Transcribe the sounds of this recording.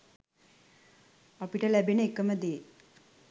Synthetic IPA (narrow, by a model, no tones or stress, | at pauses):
ɐpiʈəlæbinəekːəməd̪eː